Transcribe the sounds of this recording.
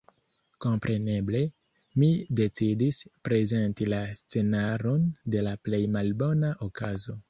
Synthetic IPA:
ko̞mpɾʔe̞ne̞ble̞ | mide̞t͡sidispɾe̞ze̞ntilast͡se̞naɾo̞nde̞laple̞jmalbo̞naʔokazo̞

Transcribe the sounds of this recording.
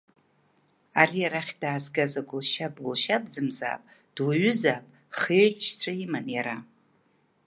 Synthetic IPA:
arijaɾaχʲdaːzɡazaɡʷʊlʃabʼɡʊlʃabd͡zɨmza̰ːpʼ | d̥waɥʏzaːpʼ | χeħʃt͡sʷʰaimanjaɾa

